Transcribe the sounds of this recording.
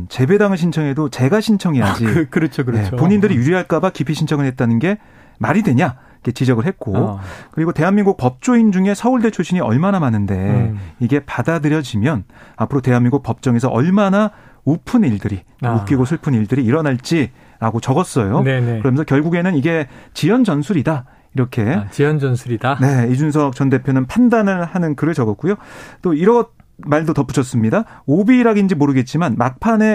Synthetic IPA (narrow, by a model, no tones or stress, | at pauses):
t͡ɕe̞be̞daŋɯɕʰint͡ɕʰʌŋe̞dot͡ɕe̞ɡaɕʰint͡ɕʰʌŋijad͡ʑikɾʌt͡ɕʰokjepoɲindɯɾijuɾiɦaɭk͈abakipʰiɕʰint͡ɕʰʌŋɯɭhe̞t̚t͈anɯnɡe̞ | maɾidwe̞ɲa | ike̞t͡ɕid͡ʑʌɡɯɭɦet̚k͈okɯɾiɡote̞ɦanminɡuk̚pʌp̚t͡ɕ͈oind͡ʑuŋe̞sʰʌuɭde̞t͡ɕʰoɕʰiɲiʌ̰ɭmanamanɯnde̞iɡe̞padadɯɾjʌd͡ʑimjʌnapʰɯɾote̞ɦanmiŋɡuk̚pʌp̚t͡ɕ͈ʌŋe̞s̬ʰʌʔʌɭmana | opʰɯniɭdɯɾi | mukk͈iɡosʰuɭpʰɯniɭdɯɾiːɾʌnaɭt͡ɕ͈i | ɾaɡot͡ɕʌɡʌs͈ʌjonenkɯɾʌmjʌnsʰʌkjʌɭɡuɡe̞nɯniɡe̞t͡ɕijʌnd͡ʑʌnsʰuɾida | iɾʌkʰe̞t͡ɕijʌnd͡ʑʌnsʰuɾidane̞id͡ʑuns̬ʰʌk̚t͡ɕʌnde̞pʰjonɯnpʰandanɯɭhanɯnkɯɾɯɭt͡ɕʌɡʌk͈ujot͈oiɾʌt̚ | maɭdotʌpʰu̥t͡ɕʰʌs͈ɯmɲidaobiːɾaɡind͡ʑimoɾɯɡe̞t̚t͡ɕ͈imanmak̚pʰane̞